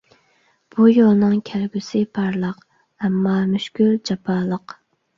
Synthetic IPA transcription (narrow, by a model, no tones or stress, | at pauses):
b̥ujolˠnɨŋkʲʰælɡʲysɪpʰɑɾlˠəq | ɛmːɑmyʃkʲyld͡ʒɑpʰɑːlˠəq